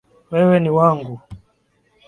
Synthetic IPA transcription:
wɛwɛniwaŋɡu

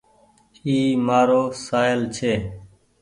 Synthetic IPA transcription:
iːmaːɾoːsaːɪlt͡ʃʰeː

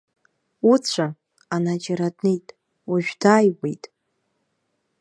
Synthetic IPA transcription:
ut͡ɕʷʰa | anad͡ʒaɾadnejtʼ | uʒᶣdaːjwejtʼ

